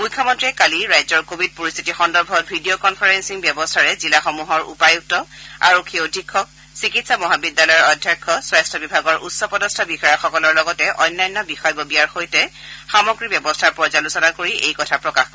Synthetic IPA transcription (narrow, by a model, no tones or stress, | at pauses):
ujkʰːamɔntɹiɛkaliɹajzɔɹkobʱid̚poɹist̪ʰitixɔndɔɹbʱɔt̚bʱidiokɔnpʰaɹensiŋbjɛbɔstʰaɹɛzilaxɔmuɦɔɹṵpajuk̚tɔa̰ɹukʰiodʱikʰːɔk̚ | sikitsamɔɦabidːalɔjɔɹɔdʱjɛkʰːɔswajstʰɔbibʱaɡɔɹʔutsɔpɔdɔstʰabixɔjɔxɔkɔlɔɹlɔɡɔtɛʔɔjnːajnːɔbixɔjbɔbijaɹxojtɛxamɔɡɹibɛbɔstʰaɹpɔzalusɔnakoɹiʔejkɔtʰapɹɔkax